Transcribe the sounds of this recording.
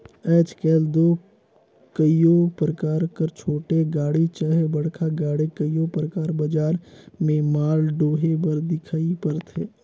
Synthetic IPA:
ɛːt͡ʃkɛːld̪oː | kəijopɾəkaːɾkəɾt͡ʃʰoːʈeɡaːɽit͡ʃəɦebəɽkʰaɡaːɽikəijopɾəkaːɾbəd͡ʒaːɾmẽmaːlɖoːɦebəɾd̪ɪkʰaːipəɾt̪ʰeː

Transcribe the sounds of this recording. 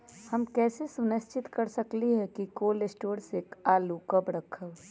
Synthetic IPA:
həmkɛːsesʊnɪst͡ʃɪt̪kəɾsəkliɦɛkikoːlɪsʈoːɾsekaːlukəbɾəkʰəb

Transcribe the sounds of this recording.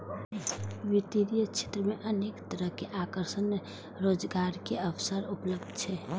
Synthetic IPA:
ʋɪt̪iɾijət͡ʃʰe̥t̪ɾəmẽʔəneːkt̪əɾəɦkeʔakəɾʃən | ɾoːd͡ʒɡaːɾkeəwsəɾʊpləbd̪ʱt͡ʃʰɛː

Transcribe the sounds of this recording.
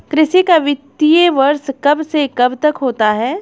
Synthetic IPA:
kɾɪʃikaʋɪt̪ːijeʋɐɾskɐbsekɐbt̪ɐkɦoːt̪aɦɛː

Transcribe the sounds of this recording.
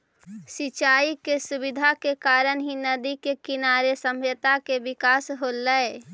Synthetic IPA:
sɪt͡ʃaːikesubɪd̪ʱakekaːɾənɦinəd̪ikekɪnaɾesəmjət̪akeʋɪkaːsɦolːəe

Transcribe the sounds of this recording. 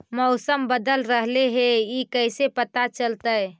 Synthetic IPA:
mɔʊsəmbəd̪əlɾəɦleɦeikəjsepət̪at͡ʃəlt̪əj

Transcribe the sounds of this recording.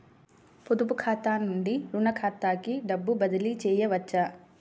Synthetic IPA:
pud̪up̬ukʰaːt̪aːnuɳɖiɾunɐkʰaːt̪ːaːkiɖɐbːubɐd̪ɐlit͡ʃɛːjɐʋɐt͡ʃːɐ

